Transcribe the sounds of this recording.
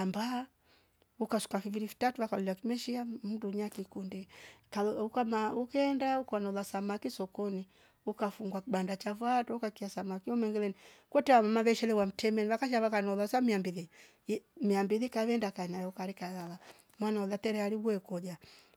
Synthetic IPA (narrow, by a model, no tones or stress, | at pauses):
amba | ukasu̥kafiviɾifi̥tatuwakaluliwakimɛʃiam̩duɲakikundikaukamaukɛndaukwanɔlasamakisɔkɔni | ukafuŋɡwakiɓandat͡ʃavwatɔukakiasamakiɔmɛŋɡɛlɛni | kwɛtɛwamamaβɛʃɛlɛwam̩tʰɛmɛniβakaʃaβakanɔlasamiambiði | miambiðikaβɛndakaɛnajɛukaɾikalala | mwanaulatɛɾɛaliβuɛkɔd͡ʒa